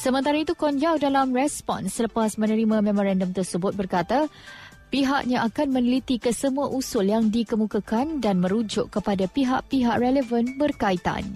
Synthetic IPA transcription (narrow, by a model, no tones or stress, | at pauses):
səmənt̪aɾait̪ukɔnd͡ʒawdalamrɛspɔ̰nsːələpasmə̃nəɾimãmɛ̃mɔɾandəmt̪ərsəbʊt̪̚bərkat̪a | piɦaʔɲãʔakanmə̃nilit̪ikəsəmũãʔusʊljaŋdikəmũkakandanmə̃ɾud͡ʒʊʔkəpadapiɦaʔpiɦaʔrɛləvənbərkait̪a̰n